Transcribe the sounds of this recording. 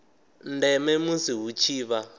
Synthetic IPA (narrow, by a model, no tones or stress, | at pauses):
ndɛmɛmusiɦut͡ʃʰiːβa